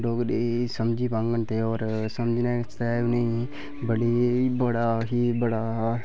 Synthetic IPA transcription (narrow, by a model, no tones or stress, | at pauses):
ɖoːɡɗesəmd͡ʒipãːŋɡənt̪ʰeɔːɾsəmd͡ʒnast̪aneĩ | bəɽibəɽaɦibəɽa